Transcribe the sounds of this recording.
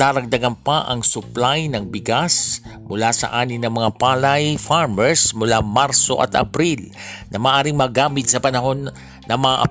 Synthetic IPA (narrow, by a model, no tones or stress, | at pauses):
aːɾɐɡ̚d̪ɐɡanpɐʔɐŋsʊplajnɐŋbɪɡasmʊlasɐ̰ʔaːnɪŋnɐŋmɐŋapaːlɐjfaɹmɛɹsmʊlamaɾso̞̰ʔɐ̰t̪ʔɐ̰bɾilnʔɐmaːʔaːɾiŋmɐɡaːmɪt̪̚sɐpɐnɐɦo̞nː | ɐŋmɐŋaʔɐ